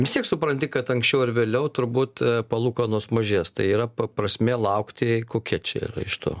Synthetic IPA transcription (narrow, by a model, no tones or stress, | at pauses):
ʋʲɪst̪ʲiɛksʊpɾɐnʲt̪ʲɪkɐt̪ɐŋksʲt͡ʃʲɛʊɪɾʋʲeːlʲɛʊt̪ʊɾbuːt̪pɐlˠuːkɐnuɔsmɐʒʲiːst̪ɐɪiːɾɐpɐpɾɐsʲmʲeːlˠɐʊkt̪ʲɪkoːkʲɛt͡ʃʲɛ̰ḭːɾɐ̰ɪʃt̪ʰo̰ː